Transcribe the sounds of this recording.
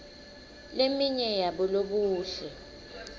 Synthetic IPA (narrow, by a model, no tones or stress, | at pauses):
lemiɲɛjaɓɔloɓuːɬɛ